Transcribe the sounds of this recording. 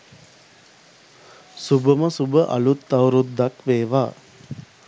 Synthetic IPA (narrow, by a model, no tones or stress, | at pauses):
subəməsubəʔɐ̰lut̪ːɐwɾud̪ːakʋeːʋaː